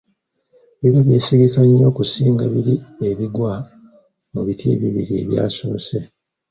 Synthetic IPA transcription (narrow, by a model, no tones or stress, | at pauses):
βiɾoβje̞ːsiɡikaɲːo̞ːkusiːŋɡaβiɾieβiɡwa | muβitʰḭːβiβḭɾieβja̰ːsoːse̞